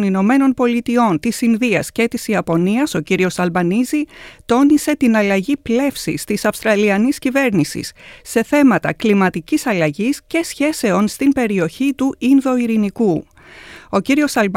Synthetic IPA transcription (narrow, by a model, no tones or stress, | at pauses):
nino̞me̞no̞npo̞lit̪io̞nt̪isinðiɐsce̞t̪isiɐpo̞niɐso̞ciɾio̞sɐlbɐnizit̪o̞nise̞t̪inɐlɐʝiple̞fsḭst̪isɐfst̪ɾɐliɐniscive̞ɾnisḭsːe̞θe̞mɐt̪ɐ̰klimɐt̪icisɐlɐʝisce̞sçe̞se̞o̞nst̪imbe̞ɾio̞çit̪uinðo̞iɾiniku | o̞ciɾio̞sɐlb